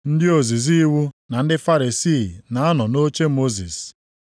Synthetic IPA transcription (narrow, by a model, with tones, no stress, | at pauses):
n̩˦dɪ˦o˨zi˨zi˦wu˦na˨n̩˦dɪ˦fa˦ɾe˨si˦˨na˨a˦nɔ˨no˦t͡ʃe˦mo˦zḭ˨s